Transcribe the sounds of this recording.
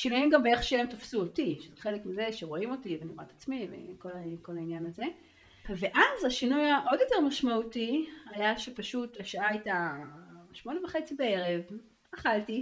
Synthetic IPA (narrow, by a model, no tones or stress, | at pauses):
ʃinujimɡambeeχʃeemtofsuotiʃezeχe̞lekmize̞ʃeʁo̞imo̞tiveniʁa̰tat͡smivḛko̞lko̞lainjanaze̞ | ve̞ʔazaʃinujaʔo̞djote̞ʁmaʃmautiajaʃepaʃutaʃaaajta | ʃmo̞nevaχe̞t͡sibee̞ʁe̞v | aχalti